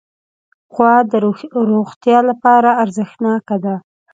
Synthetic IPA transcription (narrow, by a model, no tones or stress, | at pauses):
xwɑd̪əɾoxt̪jɑlapɑɾaːɾzəxnɑkad̪a